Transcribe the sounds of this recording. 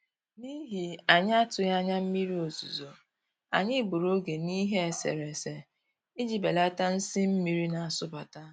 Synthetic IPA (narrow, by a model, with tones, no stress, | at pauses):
ni˦ɦi˨a˨ɲ˦a˦tʊ˨ja˦ɲa˦m̩˦mi˦ɾi˦o˨zṵ˨zo˨ | a̰˨ɲɪ˦bu˨ɾo˦ɡe˨ni˦ɦe˦e˨sḛ˨ɾe˨se˨ | i˦d͡ʒi˨be˨la˦ta˦n̩˦sɪ˦m̩˦mi˦ɾi˦na˨a˨sʊ˦ba˨ta˦